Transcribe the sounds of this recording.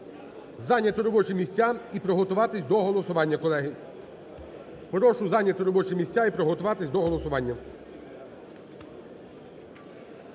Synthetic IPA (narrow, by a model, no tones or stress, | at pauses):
zɑnʲjɐt̪ɔɾɔbɔt͡ʃimʲisʲtʲaipɾɔɦɔt̪ʊʋɑt̪ɪsʲd̪ɔɦɔlˠɔsʊʋɑnʲːɐkɔlˠɛɦɪ | pɾɔʃʊzɑnʲjɐt̪ɔɾɔbɔt͡ʃɪmʲisʲtʲaipɾɔɦɔt̪ʊʋɑt̪ɪsʲd̪ɔɦɔlˠɔsʊʋɑnʲːɐ